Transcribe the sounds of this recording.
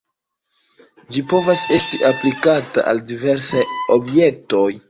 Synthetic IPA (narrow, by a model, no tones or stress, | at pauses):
d͡ʒipo̞vase̞stiʔaplikata̰ʔaldive̞ɾsajo̞bje̞k̚to̞j